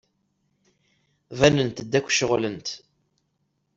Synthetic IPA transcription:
vænənt̪d̪ːækʷːʃəʁlənt̪

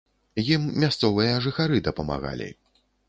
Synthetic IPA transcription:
jimːʲast̪sɔvɨjɐʐɨxaɾɨd̪ɐpɐma̰ɣa̰lʲḭ

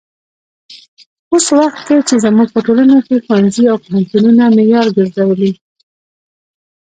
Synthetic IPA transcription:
oswaxt̪̚ket͡ʃezamuɡ̚pəʈolanakexwanziawpəhant̪ununamejɑɾɡəɾzawəli

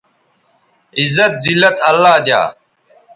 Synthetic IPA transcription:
izɐt̪̚zilːɐt̪ɐlːaːd̪ʲja̰ː

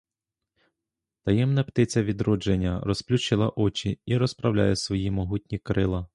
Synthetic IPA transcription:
t̪ɐjɛmnɐpt̪ɪt͡sʲɐʋʲid̪ɾɔd͡ʒenʲːɐrɔsplʲuʃt͡ʃɪlˠɐʔɔt͡ʃʲiiɾɔspɾɐwlʲa̰jɛsʋɔjimɔɦutʲnʲikɾɪlˠɐ

